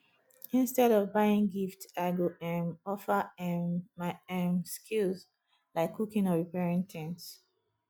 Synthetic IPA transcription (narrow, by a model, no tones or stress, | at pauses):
ĩnstɛɾɔvbaɪĩŋɡiftaɡoʔɛ̃nɔfəɛmaɛ̃mskʰilz | laɪkʰːukĩŋɔɹipɛɹɛ̃ntʰɛ̃nts